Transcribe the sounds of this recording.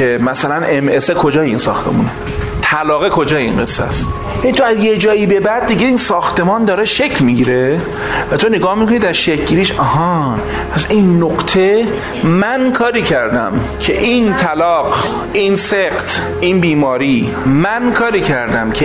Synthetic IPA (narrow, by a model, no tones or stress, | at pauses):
emæsælænʔemʔesekʰo̞d͡ʒɒːjeiːnsɒ̰ːxt̪ʰe̞̰mune | t̪ʰælɒːɣekʰo̞d͡ʒɒːjeḭnɢe̞̰sːæ̰st̪ | jænit̪ʰoæzjed͡ʒɒːjiːbe̞bæd̪̚ːiɟeiːnsɒːxt̪ʰe̞mɒːnd̪ɒːɾeʃecʰlmiɡiːɾe̞ | væt̪ʰo̞neɡɒːhmikʰo̞nid̪æɾʃecʰɟiːɾiːʃɒhɒ | pʰæsinːoqt̪ʰe̞ | mænkʰɒːɾiːcʰæɾd̪æ̰m | cʰe̞ʔint̪ʰælɒːɢ | iːnseɢt̪ʰ | ʔinbiːmɒːɾiː | mænkʰɒːɾiːcʰæɾd̪æmcʰe